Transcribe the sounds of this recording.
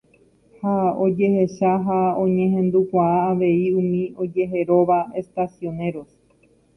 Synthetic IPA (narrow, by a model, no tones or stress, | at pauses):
hao̞d͡ʒe̞he̞ʃaɦaõ̞ɲẽɦẽ̞nd̪ukʷaaːʋe̞iũmĩo̞d͡ʒe̞ɦe̞ɾo̞ʋae̞st̪asjo̞ne̞ɾo̞s